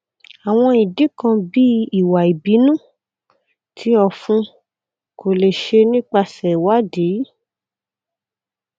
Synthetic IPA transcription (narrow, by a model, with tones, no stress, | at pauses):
a˨w̃ɔ̃˧i˨di˨˦kã˧bi˦i˨wa˨i˨bi˨˦nũ˦˨ | tʰi˨˦ɔ˧˨fũ˧ | ko˨le˨ʃe˧nĩ˦k͡pa˧sɛ˨wa˨˦di˨˦